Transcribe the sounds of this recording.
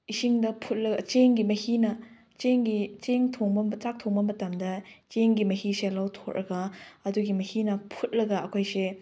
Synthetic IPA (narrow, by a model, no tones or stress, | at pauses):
isiŋdɐpʰut̚lɐɡɐt͡ʃeŋɡimɐhinɐ | t͡ʃeŋɡit͡ʃeŋtʰoŋbɐmt͡ʃak̚tʰoŋbɐmɐtɐmdɐt͡ʃeŋɡimɐhiselawtʰokɾʔɐ̰ɡɐɐduɡimɐhinɐpʰut̚lɐɡɐɐkʰojse